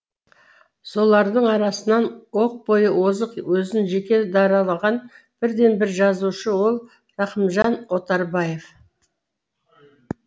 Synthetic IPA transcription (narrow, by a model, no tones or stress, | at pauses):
so̞lˠɑɾd̪əɴɑɾɑsənɑnwo̞q̚bo̞jəwo̞zəqwɵzɪnʒe̞kʲe̞d̪ɑɾɑlˠɑʁɑn | b̥ɪɾd̪e̞nbɪɾʒɑzuʃəwo̞lˠ | rɑqəmʒɑnwo̞t̪ɑɾbɑje̞f